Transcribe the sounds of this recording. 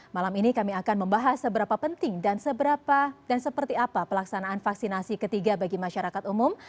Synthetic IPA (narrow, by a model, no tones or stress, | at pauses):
malaminikamiakanməmbaɦasːəbəɾapapənt̪ɪŋdansəbəɾapadansəpərt̪iapapəlaksanaʔːnfaksinasikət̪iɡabaɡimaʃaɾakat̪umum